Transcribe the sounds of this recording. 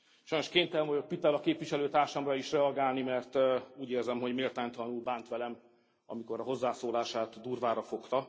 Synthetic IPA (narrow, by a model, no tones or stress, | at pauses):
ʃɒjno̞ʃkeːnt̪ɛlvɒjo̞k̚pit̪ɛlɒkeːpʋiʃɛløːt̪aːrʃɒmrɒiʃrɛɒɡaːlnimɛrt̪uːɟeːrzɛmɦo̞ɟmeːlt̪aːɲt̪ɒlɒnulbaːnt̪ʋɛlɛm | ɒ̰miko̞ɾɒɦo̞zːaːsoːlaːʃaːt̪d̪uːrvaːɾɒfo̞kt̪ɒ